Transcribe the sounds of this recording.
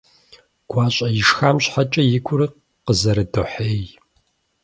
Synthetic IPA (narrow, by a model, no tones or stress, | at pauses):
ɡ̥ʷɑːɕʼɐjɪʂxaːmɕħat͡ʃʼɐjɪkʷʰʊɾɨq | qəzɐɾɨdoħeːj